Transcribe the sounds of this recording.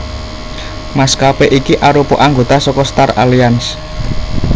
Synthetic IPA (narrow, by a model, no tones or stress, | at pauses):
maskapeʔikiʔaɾupɔʔaŋɡo̤t̪asɔkɔst̪ara̰lians